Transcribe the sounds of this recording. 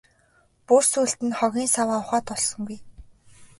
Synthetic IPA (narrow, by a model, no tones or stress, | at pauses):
pursuːɬt̪ɘ̆nχɔɣʲiːnsawaːʊχaːt̪ɔɮsɞ̆ŋɡuj